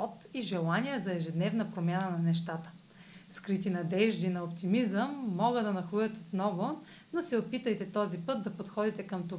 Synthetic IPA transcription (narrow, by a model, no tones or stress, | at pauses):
ɔt̪iʒɛlˠaniɛzɐɛʒɛd̪nɛvnɐpɾomʲjanənɐnɛʃt̪at̪ə̥ | skɾit̪inɐd̪ɛʒd̪inɐopt̪imizəmːɔɡəd̪ɐnɐxujət̪ot̪nɔvo | nosɛopit̪əjt̪ɛt̪ɔzipɤd̪̚d̪ɐpot̪xɔd̪it̪ɛkɐmt̪o